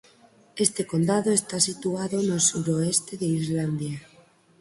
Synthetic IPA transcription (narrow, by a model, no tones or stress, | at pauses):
est̪eko̞nd̪aðoest̪asit̪uaðonelsuɾoest̪eðeizland̪ja